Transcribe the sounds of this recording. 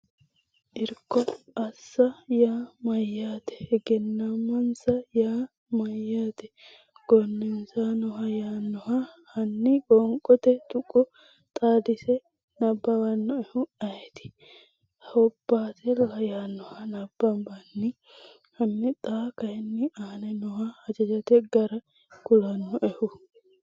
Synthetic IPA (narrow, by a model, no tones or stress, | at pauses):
ʔɪɾkːɔɐsːɐjaːmɐjːaːt̪ɛ̥ɛɡɛnːɐmɐnsɐjaː | mɐjːaːt̪ɛ | ɡ̥ɔnːɪnsaːnɔɦɐjaːnːɔhɐhɐnːɪkʼɔŋkʼɔt̪ɛt̪ʊkʼːɔ | t̪ʼaːd̪ɪsɛ | nɐbːɐwɐnːɔɛhʊɐjɛt̪ɪ̥ | hhɔbːaːt̪ɛlɐjaːnɔhɐnɐbːɐmbɐnːɪ | hɐnːɪt̪ʼaːkɐhɛnːɪaːnɛnɔhahɐd͡ʒɐd͡ʒɐt̪ɛɡɐɾɐ | kʊlɐnːɔʔɛhʊ